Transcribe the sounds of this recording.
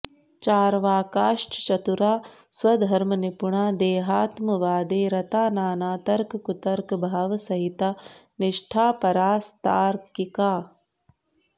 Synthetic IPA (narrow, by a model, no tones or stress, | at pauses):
t͡ʃaːɾʋaːkaːʂʈʰt͡ʃɐt̪uɾaː | swɐd̪ʱɐɾmɐnipuɳaːd̪eːɦaːt̪mɐʋaːd̪eːɾɐt̪aːnaːnaːt̪ɐɾkkut̪ɐɾkbʱaːʋɐsɐɦit̪aː | nɪʂʈʰaːpɐɾaːst̪aːɾkikaː